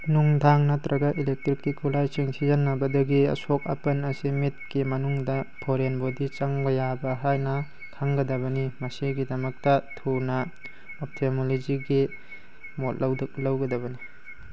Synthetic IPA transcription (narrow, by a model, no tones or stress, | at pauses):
nuŋdʱaŋnɐtɾɐɡɐʔilek̚tɾikːikʰːulajsiŋsizɐnːɐbɐdɐɡiɐ̰sok̚ɐ̰pɐnɐsimit̚kimɐnuŋdɐpʰoɾenbodit͡ʃɐŋbɐjabɐɦajnɐ | kʰaŋɡɐdɐβɐnimɐsiɡidɐmɐk̚tɐtʰunɐ | op̚tʰemolod͡ʒiɡi | motlɐwduk̚lɐwɡɐdɐβɐni